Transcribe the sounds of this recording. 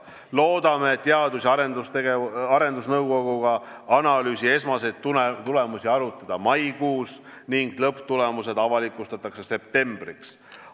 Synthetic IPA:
lo̞ːd̪̥ɑmeːt̪ːeɑd̪̥usʲɑɾend̪ust̪eɡeɑɾe̞nd̪usnɤwko̞ɡ̥uɡ̥ɑ | ɑnɑlyːsʲie̞smɑse̞jd̪̥t̪uet̪ule̞musiɑɾut̪ːˑɑd̪̥ɑmɑjkuːs | niŋɡ̥lɤpːˑt̪ule̞muse̞d̪ɑvɑlikːˑust̪ɑt̪ːˑɑkse̞se̞p̚t̪e̞mb̥riks

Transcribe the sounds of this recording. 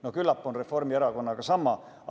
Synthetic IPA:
nokylːɑpːonreformieɾɑko̞nːɑkɑsɑmːˑɑ

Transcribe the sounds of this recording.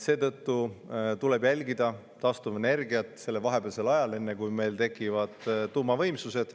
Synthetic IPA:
se̞ːt̪ɤt̪ːut̪ule̞bjælʲɡid̪ɑ | t̪ɑst̪uvene̞rɡiɑt̪ˑse̞lːevɑɦe̞beːlse̞lɑjɑle̞nːe̞kujme̞jlt̪e̞kːˑivɑd̪̥t̪ːuːmɑvɤ̞jmsuse̞d̪̥

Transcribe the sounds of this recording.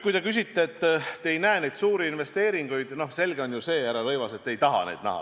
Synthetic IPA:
kujt̪e̞kys̬ʲit̪ːeːt̪ːejnæene̞jd̪̥suːɾiinve̞st̪e̞ːɾiŋɡ̥ujd̪̥no̞se̞lɡ̥e̞o̞njuse̞ːæɾɑɾɤjvɑse̞t̪ːe̞jt̪ɑɦɑ̰nḛːd̪̥næ̰ɦɑ̰

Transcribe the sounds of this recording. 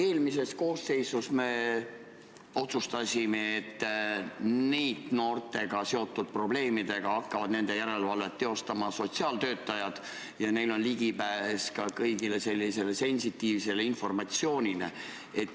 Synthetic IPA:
e̞ːlmise̞sko̞ːsːe̞jsusme̞ | o̞t̪sust̪ɑsʲime̞ːt̪ː | nejd̪̥no̞ːrt̪e̞ɡ̥ɑse̞o̞t̪ːˑud̪̥̚pro̞ble̞ːmid̪̥e̞ɡ̥ɑɑkːɑvɑd̪ne̞nd̪̥e̞jæɾe̞lvɑlve̞t̪ːe̞o̞st̪ɑmɑso̞t̪siɑːlt̪ø̞ːt̪ːˑɑjɑd̪̥ | jɑne̞jlo̞nliɡipæeskɑkɤjɡ̥ile̞se̞lʲːise̞le̞se̞nʲsit̪ːiːvse̞leinfo̞rmɑt̪sio̞ːnʲile | et̪ː

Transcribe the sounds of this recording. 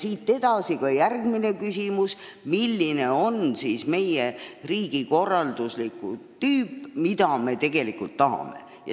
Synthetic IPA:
siːt̪ːe̞d̪̥ɑsikɑjærɡmine̞kysimusmilːine̞o̞nsiːsme̞jeriːɡ̥iko̞rːɑld̪uslikˑṵt̪yːpːmid̪̥ɑme̞t̪e̞ɡ̥e̞likult̪ːɑɦɑ̰me̞̰ | jɑ̰

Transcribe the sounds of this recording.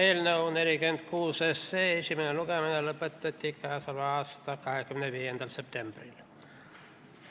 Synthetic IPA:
eilneuneljkyent̪kʰuːsesːeːesimænelukemineləpːet̪ːet̪ːikːɑːsɑlʋɑɑst̪ɑkɑhekːymenæʋiːjent̪elsept̪embrḭl

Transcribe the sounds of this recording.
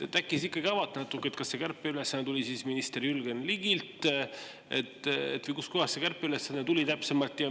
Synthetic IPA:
t̪ːækːˑisikːˑɑɡiɑvɑt̪ːˑnɑt̪ːˑukːˑeet̪̚kɑsse̞kærpːˑeylesːænet̪ulʲisisminist̪eɾylɡ̥enliɡ̥ilt̪ | ḛt̪ːˑḛt̪ːvɨjkuskohɑstːsekærpːeylesːɑnɑt̪ulʲit̪æpse̞mɑlt̪jɑ

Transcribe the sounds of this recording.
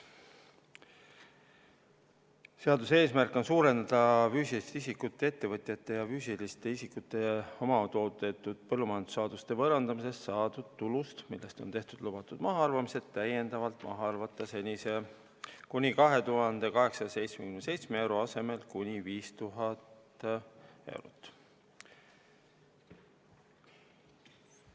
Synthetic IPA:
seɑd̪use̞ːsmærkːˑo̞nsuːɾe̞nd̪ɑd̪̥ɑfyːsilist̪eisikːut̪ːˑe̞et̪ːe̞vɤt̪ˑjɑt̪ːˑe̞jɑfyːsilist̪e̞isikut̪ːˑe̞o̞mɑt̪o̞ːt̪ːet̪ːˑud̪̥pɤlːumɑjɑnd̪usɑːd̪̥ust̪e̞vɤɾɑnd̪̥ɑmise̞st̪sɑːd̪ud̪̥̚t̪ːulust̪milːe̞st̪o̞nt̪e̞ht̪ud̪̥lub̥ɑt̪ːˑud̪̥mɑɦɑɑrvɑmise̞d̪t̪ːæje̞nd̪ɑvɑlt̪ˑmʔɑ̰ɦɑɑrvɑt̪ːˑɑse̞nʲise̞ | kunʲikɑɦe̞t̪uɦɑnd̪̥e̞kɑɦe̞ksɑɑse̞jt̪smekynsejt̪smeewɾoɑse̞me̞lkunʲiviːst̪uɦɑt̪ | e̞̰wɾṵt̪ːˑ

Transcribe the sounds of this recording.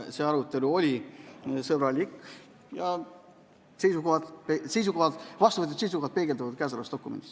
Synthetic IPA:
seɑɾut̪ːˑe̞luo̞lʲisɤb̥ɾɑlʲikː | jɑ | se̞jsukohɑd̪pese̞jsukohɑd̪̥vɑst̪uvɤt̪jet̪sejs̬ukohɑt̪̚pe̞ːɡ̥ed̪ɑvɑd̪̥kæsɑlɑst̪o̞kːˑumḛnd̪̥is

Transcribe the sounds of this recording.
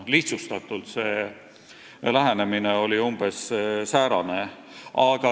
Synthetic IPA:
liht̪sust̪ɑt̪ːˑult̪seː | læɦæne̞mineo̞lʲiumb̥e̞ssæːɾɑne̞ | ʔɑɡ̥ɑ

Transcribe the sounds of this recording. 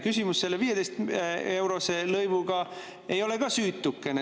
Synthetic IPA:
kysʲimusːe̞lːeviːje̞d̪e̞jst̪e̞wɾo̞selɤjvuɡɑ | e̞jo̞le̞ɡ̥ɑsyːt̪ːˑukːˑene

